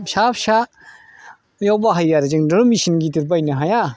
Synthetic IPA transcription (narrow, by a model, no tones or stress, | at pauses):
sapsa | jawbaɦajːaɾd͡ʒɯŋdɯɾmisinɡitiɾbajnɯɦaja